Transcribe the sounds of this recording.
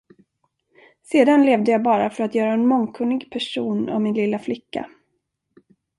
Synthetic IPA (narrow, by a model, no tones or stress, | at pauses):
seːd̪anleːvd̪əjaːbɑːɾafœɾat̪jœːɾaɛnmɔŋkʰɵnːɪɡpʰæʂuːnɔ̰mmɪnlɪlːaflɪkːa̰